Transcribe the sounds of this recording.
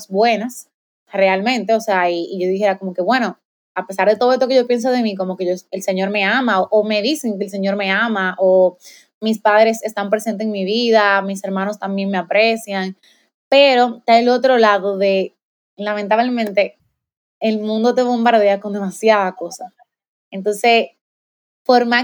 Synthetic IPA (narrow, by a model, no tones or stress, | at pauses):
sbwe̞nas | re̞almẽ̞nt̪e̞o̞seaiːʝo̞ðihe̞ɾako̞mo̞ke̞βwe̞no̞ | ape̞saɾðe̞t̪o̞ðe̞st̪oke̞ʝo̞pje̞ns̬oð̞e̞miko̞moke̞ʝoelse̞ɲo̞ɾme̞amaoʔome̞ðiseŋkeːls̬eɲo̞ɾme̞amaʔo | mispaðɾe̞se̞st̪ampɾe̞sent̪eeŋmiβiðamise̞ɾmãno̞st̪ambje̞ŋme̞apɾe̞sjaŋ | pe̞ɾo̞t̪eaelot̪̬ɾo̞laðo̞ðe̞ | lament̪aβle̞mẽnt̪e̞ | elmũnd̪o̞t̪e̞βo̞mbaɾðeako̞nd̪e̞masjaðako̞sa | ent̪o̞nse̞ | foɾma